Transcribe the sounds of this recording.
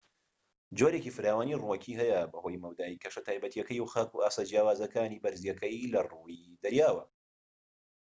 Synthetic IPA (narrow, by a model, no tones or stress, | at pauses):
d͡ʒoɾeːkifɨɾaːwaːniruɐkʰiːɦɛjɐbɐho̞ːjmɐwd̪aːikʰɐʃɐt̪ʰaːjbɐt̪ijɛkɐjwxaːkṵaːsaːd͡ʒjaːwaːzɐkaːniːbɐɾzjɐkʰɐjlɐruːid̪ɐɾjaːwɐ